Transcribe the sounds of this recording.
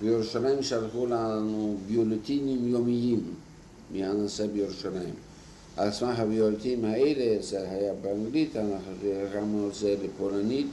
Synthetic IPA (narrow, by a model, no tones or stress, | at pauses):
bejeɾuʃalaimʃalχulanubijolet̪inimjomijimː | ehanasebejeɾuʃalajḭm | a̰smaɦabjolet̪iimhaelezeɦajabeaŋɡlit̪anaχeʁamuazelepolanit̪